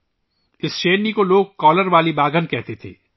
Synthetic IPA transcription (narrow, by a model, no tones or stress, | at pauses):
ɪsʃeːnikoloːɡ̚kɔːləɾʋaːlibaːɡənkɛɦt̪et̪ʰḛː